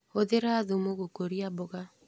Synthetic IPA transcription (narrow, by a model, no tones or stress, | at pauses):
oðeɾaːðomoɣokoɾiabɔɣa